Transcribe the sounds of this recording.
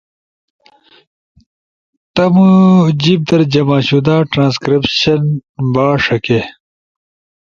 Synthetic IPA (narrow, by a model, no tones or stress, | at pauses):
t̪ɐmud͡ʑib̚d̪ɐɾd͡ʑɐmaːɕud̪aːʈɾãːnskɾipɕɐnbaːʂɐke